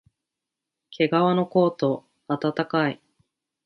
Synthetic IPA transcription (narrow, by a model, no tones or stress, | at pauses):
kʰe̞ɡaβano̞ko̞ːt̪o̞ | at̪at̪akai